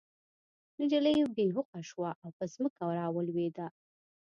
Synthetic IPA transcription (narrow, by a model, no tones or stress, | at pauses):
nɪd͡ʒalajobeɦʊqaʃwaʔawpəzməkawɾɑwəlwed̪a